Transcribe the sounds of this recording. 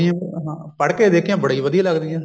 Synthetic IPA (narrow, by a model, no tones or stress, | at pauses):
ijɛ̃ɦãːpəɽked̪eːkʰjãːbəɽiːʋəd̪iãləɡd̪iãː